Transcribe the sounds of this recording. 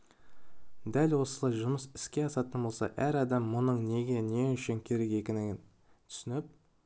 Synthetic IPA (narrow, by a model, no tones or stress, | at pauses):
d̪ælwo̞səlˠɑjʒʊməsɪ̥skʲe̞ɑsɑt̪ənbo̞lˠsɑ̰ʔæɾɑd̪ɑmːʊnəɴne̞ɡʲe̞ne̞ʏʃɪŋkʲʰe̞ɾe̞ke̞kʲɪnɪɡʲɪn | t̪ʰʏ̥sɪnɪp̚